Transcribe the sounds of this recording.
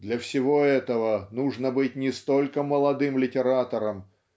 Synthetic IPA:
d̪lʲɐfsʲɪvo̞ɛt̪əvənuʐnəbɨt̚ʲnʲɪst̪o̞lʲkəməlˠɐd̪ɨmlʲɪtʲɪɾat̪əɾəm

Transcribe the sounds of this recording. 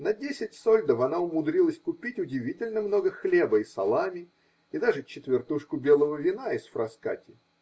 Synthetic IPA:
nɐdʲesʲɪtʲsolʲd̪əfɐnaʊmʊd̪ɾʲilˠəsʲkʊpʲitʲʊdʲɪvʲitʲɪlʲnəmno̞ɡəxlʲe̞bəisɐ̰lˠamʲɪ | ɪd̪aʐɨt͡ɕːɪt̪vʲɪrt̪uʂkʊbʲe̞lˠəvəvʲɪnaɪsfɾɐska̰tʲɪ

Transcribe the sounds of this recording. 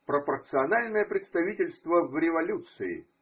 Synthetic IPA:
pɾəpərt̪sɨɐnalʲnəjəpɾʲɪt̪st̪ɐvʲitʲɪlʲst̪vəvɾʲɪvɐlʲut̪sɨɪ̰

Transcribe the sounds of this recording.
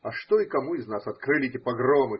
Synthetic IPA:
ɐʂt̪oɪkɐmuɪznasɐt̪kɾɨlʲɪtʲɪpɐɡromɨ

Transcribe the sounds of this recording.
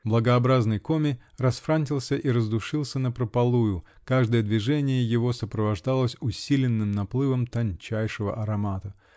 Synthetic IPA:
blˠəɡəɐbɾaznɨjko̞mʲɪrɐsfɾanʲtʲɪlˠsʲəʔiɾəzd̪ʊʂɨlˠsʲənəpɾəpɐlˠujʊ | kaʐd̪əjəd̪vʲɪʐɛnʲɪjəjɪvo̞səpɾəvɐʐd̪alˠəsʲʊsʲilʲɪnːɨmnɐplˠɨvəmt̪ɐnʲt͡ɕæjʂɨvə̰ʔɐɾɐmat̪ə

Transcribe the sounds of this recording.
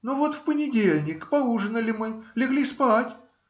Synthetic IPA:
novot̪fpənʲɪdʲelʲnʲɪkpɐlˠuʐɨnəlʲɪmɨlʲɪɡlʲispatʲ

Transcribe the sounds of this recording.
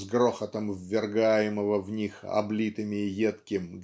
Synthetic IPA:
zɡroxət̪əmvːʲɪrɡajɪməvəvnʲixɐ̰blʲit̪ɨmʲɪːjet̪kʲɪmɡ

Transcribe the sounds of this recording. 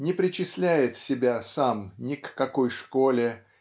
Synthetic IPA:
nʲɪpɾʲɪt͡ɕɪsʲlʲæjɪt̪sʲɪbʲasamnʲɪkːɐkojʂkolʲɪ

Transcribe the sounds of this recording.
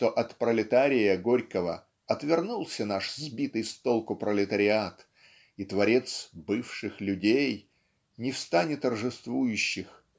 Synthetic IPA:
t̪o̞ʔɐt̪pɾəlʲɪt̪aɾʲɪjəɡo̞ɾʲkəvə̰ | ɐt̪vʲɪrnulˠsʲənaʂzbʲit̪ɨjst̪o̞lˠkʊpɾəlʲɪt̪əɾʲɪat̪ | it̪vɐɾʲe̞t̪sbɨfʂɨxlʲʉdʲej | nʲɪfst̪anʲɪt̪ːərʐɨst̪vujʉɕːɪx

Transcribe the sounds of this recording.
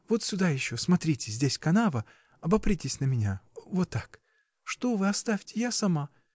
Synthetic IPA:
vot̪sʲʊd̪ajɪɕːosmɐt̪ɾʲitʲɪzʲdʲesʲkɐnavə | ɐbɐpɾʲitʲɪsʲnəmʲɪnʲavot̪ːak | ʂt̪ovɨɐst̪afʲtʲɪjasɐma

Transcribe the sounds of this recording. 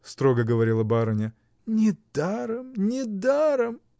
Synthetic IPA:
st̪ɾoɡəɡəvɐɾʲilˠəbaɾənʲə | nʲɪd̪aɾəmnʲɪd̪aɾəm

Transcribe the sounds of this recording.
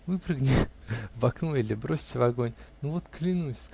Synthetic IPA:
vɨpɾɨɡnʲɪvɐknoilʲɪbɾosʲtʲɪvɐɡonʲnuvot̪klʲɪnusʲsk

